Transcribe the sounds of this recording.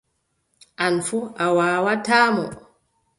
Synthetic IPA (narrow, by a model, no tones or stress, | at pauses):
ʔanfuawaːwataːmɔ̰